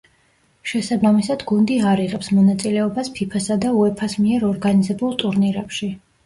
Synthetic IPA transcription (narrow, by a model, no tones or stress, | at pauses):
ʃɛsabamisad̪ɡund̪iaɾiʁɛpsmɔnat̪sʼilɛɔbaspʰipʰasad̪auɛpʰasmiɛɾɔɾɡanizɛbulˠt̪ʼuɾniɾɛpʃi